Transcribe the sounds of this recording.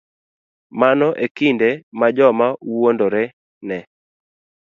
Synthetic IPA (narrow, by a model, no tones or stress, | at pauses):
manɔʔekindemad͡ʒɔmauwondoɾɛ | nɛ